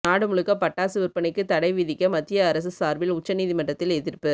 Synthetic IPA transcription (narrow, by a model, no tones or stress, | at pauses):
naːɽɯmʊɭɯkːɐpɐʈːaːsɯʋɪɾpɐnɪkːɯt̪ɐɽɐɪʋɪðɪkːɐmɐt̪ːɪjɐːɾɐs̬ɯsaːɾbɪlʊt͡ʃːɐniːðimɐʈːɐt̪ːɪlɛðɪrpɯ